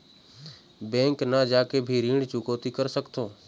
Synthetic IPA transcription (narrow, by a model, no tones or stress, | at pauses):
bɛ̃ːŋknəd͡ʒaːkebʱiːɾiːɳt͡ʃukoːt̪ikəɾsəkt̪oː